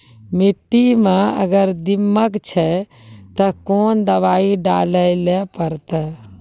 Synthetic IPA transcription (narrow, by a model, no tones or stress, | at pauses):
miʈːimẽə̰ɡəɾd̪imːəkt͡ʃʰɛ | t̪əkond̪əʋaiɖaləjlepəɾt̪ɛ